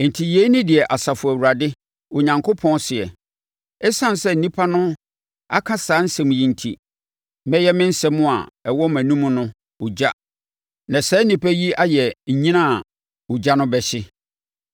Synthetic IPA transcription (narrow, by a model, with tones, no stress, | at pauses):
n̩˨tʰi˨je˦nĩ˦dɪ˨ɛ˨ʔa˨sa˨fʊ˨æ˨wu˨ɾa˨dɪ˦ | ʊ˨ɲã˨ŋkʰo˦pʰɔ̃˦n˦sɪ˨ɛ̰˨ | ɛ˦sã˦˨n˨sɛ˦n̩˨nĩ˦pʰa˦nʊ̃˦ | a̰˦kʰã˦saː˨˦n̩˦sɛ̃˨m̃˨jĩ˨n̩˨tʰḭ˨ | mɛ̃˦jɛ˦mɪ̃˦n̩˦sɛ˦mʊ̃˦a̰˨ɛ˨wɔ˦mæ̃˨nũ˦mʊ̃˦nʊ̃˦ | ʊ˨d͡ʑa˦ | nã˨sɛː˨˦nĩ˨pʰæ˦ji˦a˦jɛ˨ɲ̩˨ɲĩ˦nã˦˨ | ʊ˨d͡ʑa˦nʊ̃˦bɛ˨ɕɪ˦